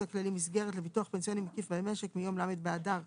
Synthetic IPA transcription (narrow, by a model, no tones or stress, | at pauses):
aklalimisɡe̞ʁet̬levituaχpensio̞nimakifbemeʃekmijo̞mlamet̪̚bead̪aʁ